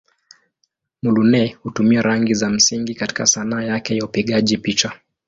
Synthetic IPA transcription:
mulunɛhutumiaɾaŋɡizam̩siŋɡikati̥kasanaːjakɛjaupiɠaʄipit͡ʃa

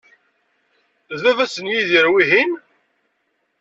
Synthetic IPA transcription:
ðævæsənjiðiɾwiɦin

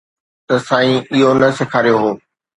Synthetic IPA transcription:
t̪ɐsãːĩɪɦonɐsɪkʰaːɾijoɦoː

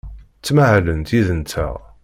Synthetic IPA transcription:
t͡sːmaʕlənt̪iðənt̪ʰə̰ʁ

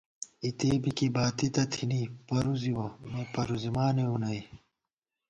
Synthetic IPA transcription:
it̪eːbikibaːt̪it̪ɐt̪ʰinipɐɾuziwɐmepɐɾuzimaːneunɐi

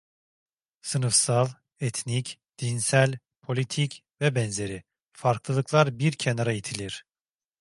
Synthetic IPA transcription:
sɯnɯfsalˠ | ɛt̪ʰnicd̪̥insælʲ | pʰo̞lʲit̪ʰic | vɛbɛnze̞ɾi | faɾklˠɯlˠɯklˠaɾbiɾcʰenaɾait̪ʰilʲiɾ̥

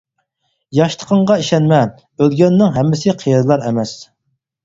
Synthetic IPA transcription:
jɑʃt̪ʰə̥qʰəɴʁɑiʃɛnmɛ | ølɡʲɛnːɪŋɦɛmːɪsɪqʰijɛd̪lˠɑɾɛmɛs

